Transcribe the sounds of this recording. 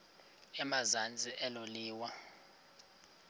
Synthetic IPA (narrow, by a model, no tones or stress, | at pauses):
ɛmazand͡zʱʼiʔɛloliːwa